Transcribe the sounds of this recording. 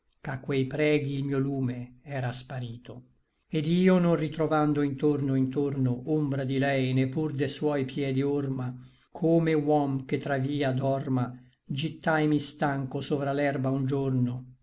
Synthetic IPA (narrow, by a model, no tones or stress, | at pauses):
kakːwɛjpɾɛːɡiːlmiːoluːmeɛɾaspaɾiːt̪o | ed̪iːonõnrit̪ɾovand̪oint̪ornoint̪ornoʔombɾad̪ilɛjnepːurd̪eswɔjpʰjɛd̪iorma | kʰoːmewɔmk̟et̪ːɾaviːad̪ɔrma | d͡ʒit̪ːajmist̪aŋkosoːvɾalɛrbaund͡ʒorno